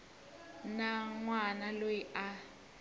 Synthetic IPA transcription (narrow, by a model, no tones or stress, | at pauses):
naŋwanalojiʔa